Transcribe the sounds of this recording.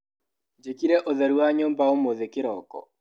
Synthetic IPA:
d͡ʒekiɾɛʔoðɛɾuwaɲoːmbaomoðekɪɾɔkɔ̰

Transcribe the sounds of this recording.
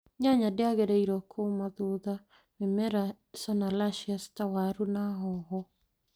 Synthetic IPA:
ɲaɲadeaɣeɾeiɾɔkʰomaðoða | wemɛɾa | sɔnalaʃiastawaɾunaɦɔɦɔ

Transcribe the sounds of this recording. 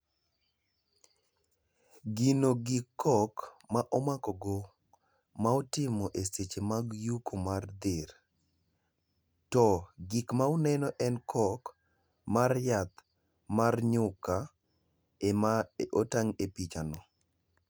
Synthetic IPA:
ɡinoɡikʰːɔkmaʔɔmakɔɡo | maotɪmɔʔeset͡ʃemaɡjukʰomard̪ɪɾ | tɔɡikmaonɛnɔʔɛnkʰɔk | marjat̪ | marɲʊka | emaotaŋepit͡ʃanɔ

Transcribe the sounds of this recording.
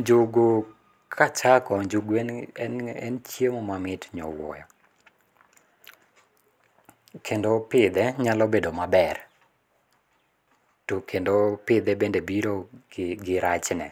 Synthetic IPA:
ɲd͡ʒoɡo | kʰat͡ʃakɔɲd͡ʒoɡɛnɛɛnt͡ʃjemomamɪtɲɔ̰wɔ̰jɔ | kʰendopɪd̪ɛɲalɔbedomabɛr | tokʰendopɪd̪ɛbendebiɾoɡɪɾat͡ʃnɛ̰

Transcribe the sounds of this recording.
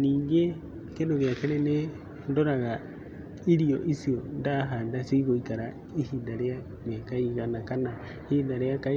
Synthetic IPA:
niːŋɡe | kenoɣeakeɾɛne | ndoɾaɣa | iɾiɔʔisiondaɦaːndaseiɣoikaɾa | ihindaɾea | mekaiɣanakana | hindaɾeakai

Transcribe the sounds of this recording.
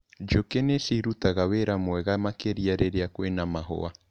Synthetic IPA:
d͡ʒokenesiɾutaɣaweɾamwɛɣamakeɾiaɾeɾeakwenamaɦɔ̰a

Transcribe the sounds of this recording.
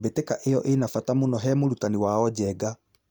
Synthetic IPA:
betekaʔejɔʔenafatamonɔɦɛmoɾutaniwaɔɟɛːɡa

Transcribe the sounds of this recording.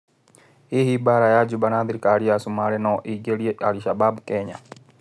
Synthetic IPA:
ihibaɾajad͡ʒubanaðiɾikaɾiasumaɾɛnɔʔiɡeljealiʃababukɛːɲa

